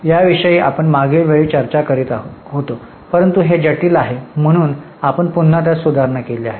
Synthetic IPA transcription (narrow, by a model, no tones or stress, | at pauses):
jaʋiʂəjiːʔa̰pəɳmaɡiɭʋeɭiːt͡ɕəɾt͡ɕakəɾiːt̪aɦot̪o | pəɾənt̪uɦed͡ʑəʈiːlaɦem̤əɽ̃uːn | apəɳpun̤ːat̪̬jasud̪ʱaɾɳakeliaɦe